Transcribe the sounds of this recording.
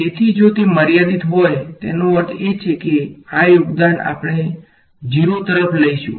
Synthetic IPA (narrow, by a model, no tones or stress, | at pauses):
t̪et̪ʰid͡ʒot̪eməɾjad̪it̪ɦojt̪enõʋəɾt̪ʰet͡ʃʰekeajoɡd̪ana̰pəɽ̃e | d͡ʒiɾot̪əɾəpʰləiʃṵ̃